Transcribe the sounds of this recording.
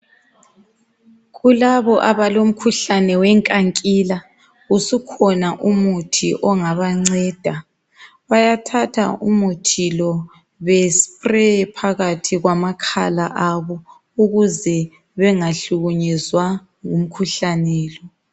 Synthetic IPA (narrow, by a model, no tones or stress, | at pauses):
ɣulaβɔʔaβalom̩kʰuɬanɛwɛŋkʼaŋkʼiːla | usukʰɔnaʔumutʰiʔɔŋaβaŋ͡ǀɛːd̥ʱa | βajatʰatʰa̰umutʰilɔ | βɛspʼrɛpʰaɣatʰiɣwamakʰa̰laʔaβɔ | uɣuzɛ | βɛŋaɬuɣuɲɛzwa | ŋum̩kʰuɬanɛːlɔ